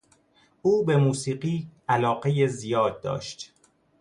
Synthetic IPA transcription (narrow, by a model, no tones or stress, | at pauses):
ʔuːbe̞muːsiːɢiːʔælɒːɢejezijɒːd̪̚ːɒ̰ːʃt̪